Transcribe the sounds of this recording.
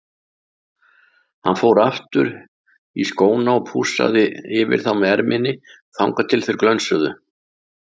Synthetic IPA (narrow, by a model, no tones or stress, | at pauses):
hanfoːwɾaft̪ʏɾ | iskoːwnaɔpʰuːsa̰ðɪɪvɪ̰ɾ̥θawmɛɛɾmʔɪnːɪ | θawŋkat̪ʰɪlθejɾklœnsœðʏ